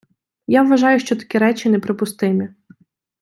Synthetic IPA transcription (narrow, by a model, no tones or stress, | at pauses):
jaʋʋɐʒɑjʊʃt͡ʃɔt̪ɐ̥kʲiɾɛt͡ʃɪnɛpɾɪpʊst̪ɪmʲi